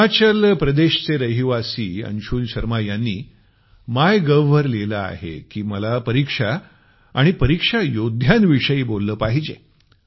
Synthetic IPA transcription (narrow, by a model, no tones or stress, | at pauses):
at͡ɕəlpɾəd̪eɕt͡seɾəɦiʋasiːə̰nɕuːlɕəɾmajanːiː | majɡəʋəɾlelaa̰ɦḛkiːməlapəɾikʂa | aɽ̃ipəɾikʂajod̪ʱjanʋiʂəiːbolːəːpaɦid͡ʑḛ